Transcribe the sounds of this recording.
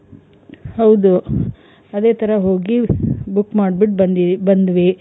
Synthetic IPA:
hɐwd̪u | ɐd̪eːt̪ʰɐɾɐɦoːɡibukːmaːɖbiʈ̚ɐd̪ibɐnd̪ʋi

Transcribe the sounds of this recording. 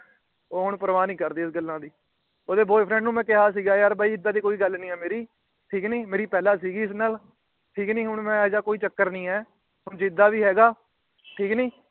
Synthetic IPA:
oːɦʊɳpəɾʋaːnĩːkəɾd̪iːɪsɡəlːãːd̪iː | oːd̪eːboːpʰɾɛ̃ɳɖnũːmɛ̃ːkɪɦaːs̬iːɡaːjaːɾbaːiːɪd̪ːaːd̪iːkoːiːɡəlnĩːɛːmeːɾiː | ʈʰiːknĩːmeːɾiːpɛːlaːsiːɡiːɪsnaːl | ʈʰiːknĩːɦʊɳmɛ̃ːd͡ʒaːkoːiːt͡ʃəkːəɾnĩːɛː | ɦʊɳd͡ʒɪɪd̪ːaːʋiːɦɛːɡaː | ʈʰiːknĩː

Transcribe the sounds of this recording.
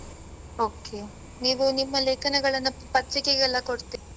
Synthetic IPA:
oːke | niːʋunimːɐleːkɐnɐɡɐɭɐnːupɐt̪ɾikeɡɛlːɐkoɽt̪ii

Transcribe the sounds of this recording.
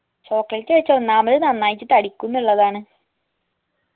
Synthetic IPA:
so̞ːkːlɐlt͡ɕːeɻit͡ɕːɐnːaːmɐðɨnɐnːaːjit͡ɕːɨt̪ːɐɽikʲːunːuɭːɐðaːɳɨ

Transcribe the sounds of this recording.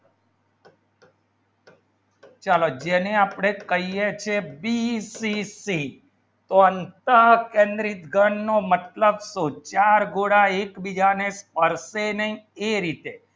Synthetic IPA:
t͡ʃalod͡ʒeneaːpɽ̃ekəɦijet͡ʃʰebisisi | t̪oənt̪akẽnd̪ɾit̪ɡəɳːomət̪ləbsot͡ʃaɾɡoɽaekbid͡ʒanespəɾsenəɦĩeɾit̪e

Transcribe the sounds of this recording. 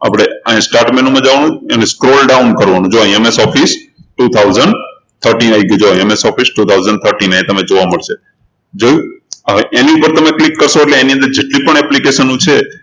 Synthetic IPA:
a̰pɽ̃eãɦĩsʈaɾʈmenũmãd͡ʒaʋanũəneskɾolɖaʊnkəɾʋanũd͡ʒoĩemesɔfisʈut̪ʰawzəɳɖ | t̪ʰəɾʈinaiɡid͡ʒoiemesɔfisʈut̪ʰawzəɳɖ̚t̪ʰəɾʈinãĩt̪əmed͡ʒoʋaməɭʃe | d͡ʒojəʋeʔeniupəɾt̪əmeklikːəɾʃoeʈleːniə̃nd̪əɾd͡ʒeʈlipəɳɛplikeʃənũt͡ʃʰe

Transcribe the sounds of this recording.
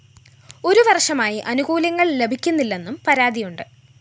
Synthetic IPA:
o̞ɾuʋɐrʂɐmaːjiʔɐnuɣuːljɐŋːɐɭle̞bʱikʲːunːilːe̞nːumpɐɾaːd̪ijuɳɖɨ

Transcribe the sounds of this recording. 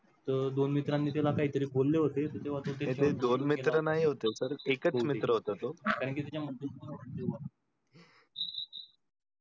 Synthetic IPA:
t̪əɾd̪onmit̪ɾanːiːt̪elakaɦit̪əɾiːbʱolːeɦot̪et̪ət̪eʋ̤at̪ot̪eeed̪onmit̪ɾənaɦiɦot̪esəɾekət͡smit̪ɾəɦot̪at̪okaɾəɳkiːt̪at͡ɕjamənt̪əaəɳt̪ean

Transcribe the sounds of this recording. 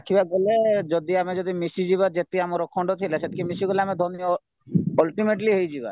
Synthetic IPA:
akʰibaɡɔled͡ʒɔd̪iamẽd͡ʒɔd̪imisid͡ʒiβad͡ʒet̪ːiamɔɾɔkʰɔ̃ɳɖot̪ʰilɛset̪̚kʰimisiɡɔlamẽd̪ʱɔnij | ɔlʈimeʈliɦoid͡ʒiba̰

